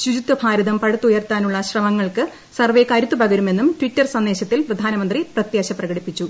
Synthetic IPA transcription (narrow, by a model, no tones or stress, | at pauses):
ɕud͡ʑut̪ːɐbʱaːɾɐðɐmpɐɻɐt̪ːujɐrt̪ːaːnuɭːɐɕrɐmɐŋːɐɭkɨ | sɐrʋe̞ːkaːɾit̪ːupɐɡɐɾume̞nːumʈʋitːɐrsɐnd̪eːɕɐt̪ːilprɐd̪ʱaːnɐmɐnd̪riprɐt̪jɐːɕɐprɐɣɐɽipːit͡ɕːu